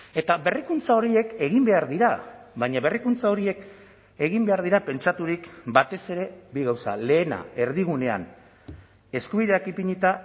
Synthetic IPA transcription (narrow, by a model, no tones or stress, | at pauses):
e̞t̪aβe̞rikunt͡sao̞ɾie̞ke̞ɣ̞imbe̞aɾðiɾaβaɲaβe̞rikunt͡sao̞ɾie̞k | e̞ɣimbe̞aɾð̞iɾape̞nt͡ʃat̪uɾikbat̪e̞se̞ɾe̞biɣawsa̰le̞ːna̰e̞ɾðiɣ̞une̞a̰n | e̞skuβiðe̞akipiɲit̪a